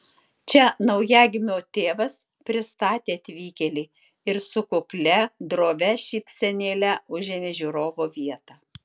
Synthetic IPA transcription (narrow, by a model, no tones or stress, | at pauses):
t͡ʃʲɛnɐʊjæːɡʲɪmʲoːt̪ʲeːʋɐs | pʲɾʲɪst̪ɑːt̪ʲeːɐt̪ʲʋʲiːkʲɛlʲɛː | ɪɾsʊkʊklʲɛd̪ɾoːʋʲɛʃʲiːpʲsʲɛnʲeːlʲɛʊʒʲeːmʲeːʒʲuːɾoːʋoːʋʲiɛt̪ɑː